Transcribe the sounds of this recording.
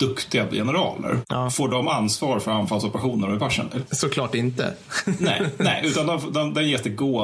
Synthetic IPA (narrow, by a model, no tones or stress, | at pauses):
d̪̥ɵkt̪ɪɡajɛ̰nəɾɑ̰ːlə̰ɾfoːɖɔmansvɑːɾfœɾanfalsɔpəɾaɧuːnəɾɔɪpʰaʂə̰nɪsɔkʰlɑːʈɪnt̪ə̰ | nɛ̰ɪɛɪʉ̟ːt̪and̪ɛnfd̪ɛnd̪ɛnjɛst̪əɡoː